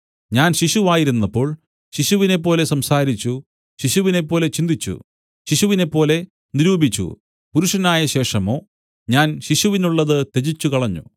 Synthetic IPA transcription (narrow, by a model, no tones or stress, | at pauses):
ɲaːnɕiɕuʋaːjiɾunːɐpːo̞ːɭ | ɕiɕuʋine̞p̬ːo̞ːle̞sɐmsaːɾit͡ɕːu | ɕiɕuʋine̞pːo̞ːle̞t͡ɕind̪it͡ɕːṵ | ɕiɕuʋine̞pːo̞ːle̞ | niɾuːbit͡ɕːṵ | puɾuʂɐnaːjɐɕe̞ːʂɐmo̞ː | ɲaːnɕiɕuʋinuɭːɐðɨt̪e̞d͡ʑit͡ɕːukɐɭɐɲːṵ